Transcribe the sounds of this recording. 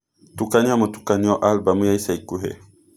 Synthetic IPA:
tukaniamətu̥kaniɔʔalbaməjajsaikuɦɛ̰

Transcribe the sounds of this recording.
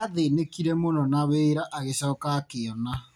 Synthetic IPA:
aðenekiɾɛmonɔnaweɾaʔaɣesɔːkakeɔna

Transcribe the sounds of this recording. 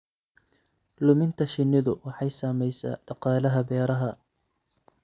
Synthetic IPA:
lʊmɪnt̪ʰɐʃɪnːɪðʊwɑħɑjsaːmɛjsa̰ːɖ̥ɑqɑːlɐɦɐbɛːɾɐɦɐ

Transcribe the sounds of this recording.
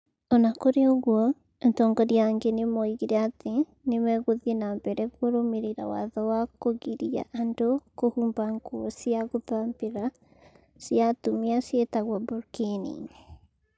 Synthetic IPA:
ɔnakoɾeɔɣwɔ | ntɔːŋɡɔɾiaŋɡenemɔiɣiɾɛate | nemɛɣoðienambɛɾɛɣwoɾomeɾeɾa̰wa̰ðɔwakoɣiɾia̰ʔandokohuːmbaŋɡwɔsijaɣopampeɾa | siatumiasjetaɣwabuɾkenḭŋ

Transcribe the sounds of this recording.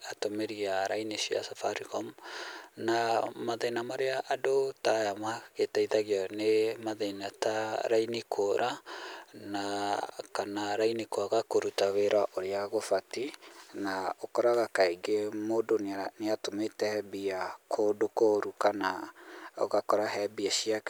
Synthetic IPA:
atomeɾiaɾainesia̰safaɾikɔm | namaðenamaɾeaʔadotajamaɣetaiðaɣiɔnemaðenataɾainikʰoɾʔa | nakanaɾainikoaɣakoɾutaweɾwaʔoɾeaɣofatinaokɔɾaɣakaeɡemodonneatometɛbiakʰodokoɾukanao̰ɣakɔɾaɦɛbiaʃiak

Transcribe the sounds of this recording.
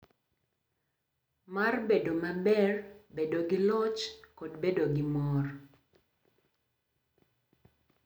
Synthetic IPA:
marbedomabɛrbedoɡɪlɔt͡ʃkɔdbedoɡɪmɔr

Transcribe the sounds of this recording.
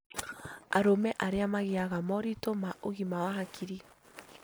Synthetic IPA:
aɾomɛʔaɾeamaɣiaɣamɔɾitomaʔoɣimawaɦakʰiɾi

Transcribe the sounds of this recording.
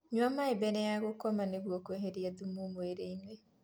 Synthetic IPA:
ɲwamaebenejaɣokomaneɣwokweɦeɾjaðumumweɾeinwe

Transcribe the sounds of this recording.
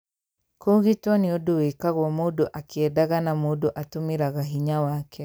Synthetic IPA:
koɣitwɔneodowekaɣwɔmoːdoʔakeɛdaɣanamoːdoʔatomeɾaɣaɦiɲawakʰɛ

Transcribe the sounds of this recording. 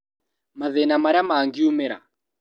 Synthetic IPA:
maðɛnamaɾamaːŋɡiumɛɾa̰

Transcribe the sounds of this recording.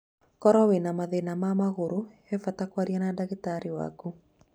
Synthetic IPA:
kɔɾɔwenamaðenamamaɣoɾo | ɛfatakwaɾianadaɣetaɾiwa̰ku

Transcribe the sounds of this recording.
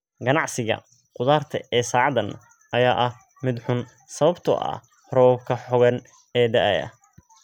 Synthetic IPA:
ɡɐnɑʕsɪɣɐ̰ | qʊðaːrt̪ʰɐɛːsaːʕɑd̪ɐn | ʔɐjaːʔɐh | mɪd̪ħʊn | sɐβɐbt̪ʰɔ̰ʔɐ̰ | rɔwɐbkʰɐħɔɣɐn | ɛːd̪ɐʔɛ̰jɐ̰

